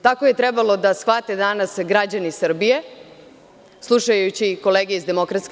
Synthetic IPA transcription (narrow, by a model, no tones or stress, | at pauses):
t̪ako̞je̞t̪ɾebalˠo̞d̪asxʋat̪e̞d̪anasɡɾad͡ʑanisr̩bije̞ | slˠuʃajut͡ɕiko̞leːɡijeizd̪e̞mo̞kɾat̪sk